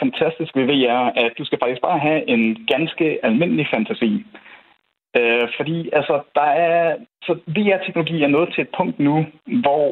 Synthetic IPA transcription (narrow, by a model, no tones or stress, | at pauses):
fænt͡sʰæsd̥isɡ̥ʋeʋe̝̰ːæɐ̰æ̥d̥usɡ̥æfɑ̈ɡ̥isɡ̥̚bɑ̈ːɦæʔe̝nɡ̥ænsɡ̥əælme̝n̰əlifænt͡sʰæsḭː | øfɒ̽d̥ḭːælsɒd̥ɑ̈æɐsɒ̽ʋe̝ːæɐt͡sʰeɡ̥nolo̝ɡḭːæɐnɔ̽ːð̩ˠt͡sʰe̝ed̥pʰɔ̽ŋ̰d̥nuʋɒ